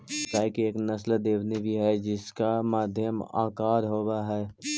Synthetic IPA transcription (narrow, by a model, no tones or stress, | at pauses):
t̪aːkieːknɐsld̪eːʋnibʱiɦɛd͡ʒɪskamaːd̪ʱjəma̰ːkaːɾɦoːwaɦɛː